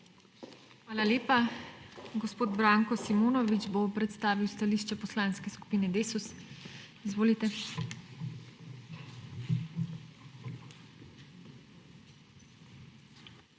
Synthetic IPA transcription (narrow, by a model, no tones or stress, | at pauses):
xʋaːlaleːpa | ɡɔspoːd̪bɾaːŋkɔsimoːnɔʋid͡ʒbopɾɛt̪st̪aːʋiwst̪aliːʃt͡ʃɛpɔslaːnskɛsku̥piːnɛd̪eːsus | izʋoːlit̪ɛ